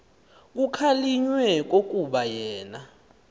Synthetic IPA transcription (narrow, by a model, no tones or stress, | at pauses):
k̬ukʰaliɲwɛk̬ok̬ʼuɓajɛːna